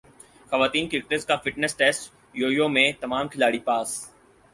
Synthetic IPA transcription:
xɐʋaːt̪iːnkɾɪk̚ʈəzkaːfɪʈnesʈɛːsʈ | joːjoːmẽt̪ɐmaːmkʰɪlaːɽiːpaːs

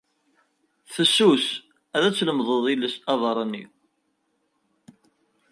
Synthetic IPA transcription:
θəsːus | æðæt͡sːləmðˤəðˤiləsɑðˤɑɾˤɑnːḭ

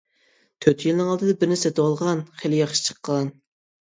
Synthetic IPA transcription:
t̪ʰøt̪ʰjiɪlnɨŋɑlˠd̪ɨd̪ɑbɪɾnɪsɛt̪wɑlˠʁɑnχelɪjɑχʃt͡ʃʰə̥qːɑn

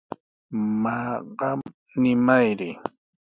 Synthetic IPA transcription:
mɑɢɑm | nɪmajɾɪ

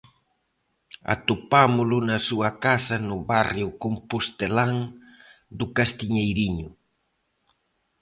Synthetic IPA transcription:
a̰t̪upamʊlʊnɐsuɐkasɐnʊβarjʊkompust̪elaŋ | d̪ʊkast̪iɲejɾiɲʊ

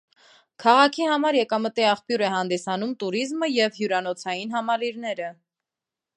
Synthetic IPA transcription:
kʰɑʁɑkʰihɑmɑɾjɛkɑmət̪iɑχpjuɾɛɦɑnd̪isɑnumt̪uɾizməjɛvhjuɾɑnɔt͡sʰɑjinɦɑmɑliɾnɛɾə

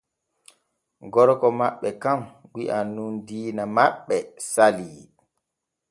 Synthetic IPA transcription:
ɡɔɾkɔmaɓːɛkamɡiʔanːundiːnamaɓːɛsaliː

